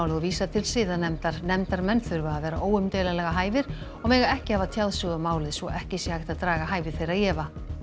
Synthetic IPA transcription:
wlɪɔviːsat̪ʰɪlsɪːðanɛmt̪aɾnɛmt̪aɾmɛnθʏɾvaaðvɛːɾaʔoːwʏmt̪ejlalɛɣaɦaːjvɪɾ̥ | ɔɣmɛːɣaɛhcɪhavat̪ʰjawðsʏɣamaːwlɪðsvɔʔɛhcɪsjɛhajht̪aðt̪ɾaːɣaɦaːjvɪ̥θejɾaðjɛːva

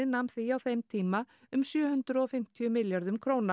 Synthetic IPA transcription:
ɪnamθiawθejmt̪ʰiːma | ʏmsjœːhʏnt̪ɾʏɔfɪm̥t̪ʰiʏmɪljaɾðʏmkʰɾoːwna

